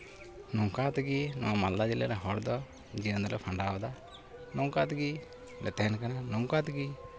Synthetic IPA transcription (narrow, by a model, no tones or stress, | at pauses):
nɔŋkat̪ɡinɔwamalːad͡ʒilaɾɛɦɔɽd̪ɔ | d͡ʒiənd̪lɔpʰaɳɖaɔd̪a | nɔŋkat̪ɡi | lɛt̪ɛɦɛnkananɔŋkat̪ɡi